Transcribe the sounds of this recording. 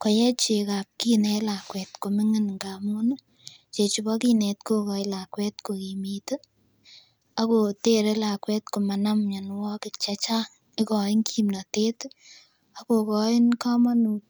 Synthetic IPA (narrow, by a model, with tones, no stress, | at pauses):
ko˨jɛ˦t͡ʃe˨ka˨p̚ki˦nɛ˧la˨kwɛ˨tko˨mɪ˦ŋɪ˦nŋɡa˨mu˦n | t͡ʃe˨t͡ʃu˨bɔ˦ki˦nɛ˨tko˦kɔ˨ɪ˦la˨kwɛ˦t̚ko˨ki˨mit | a˦ko˨te˦ɾe˦la˨kwɛ˦t̚ko˨ma˨na˦mɲa˨nwɔ˦kɪ˨t͡ʃe˦t͡ʃa˦ | ɪ˦kɔ˨ɪ˦ŋkʰi˦mna˨te˦t | a˦ko˨kɔ˦ɪ˦nka˦ma˦nu˨t̚